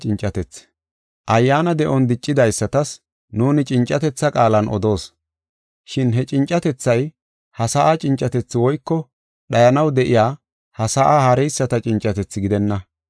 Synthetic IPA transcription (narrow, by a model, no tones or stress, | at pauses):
t͡ʃʼɪnt͡ʃʼːɐt̪ɛt͡sː | ʔɐjːaːnɐd̪ɛʔɔnd̪ɪt͡ʃʼːɪd̪ɐjsːɐt̪ɐs | nuːnɪt͡ʃʼɪnt͡ʃʼːɐt̪ɛt͡sːɐkʼaːlɐnʔɔ̰d̪o̞ːs | ʃɪnɦɛt͡ʃʼɪnt͡ʃʼːɐt̪ɛt͡sːɐj | hɐsaːʔɐt͡ʃʼɪnt͡ʃʼːɐt̪ɛt͡sːɪwɔjkːɔ | ɗɐjɐnɐwd̪ɛʔɪjaː | hɐsaːʔahɐɾɛjsːɐt̪ɐt͡ʃʼɪnt͡ʃʼːɐt̪ɛt͡sːɪɡɪd̪ɛnːɐ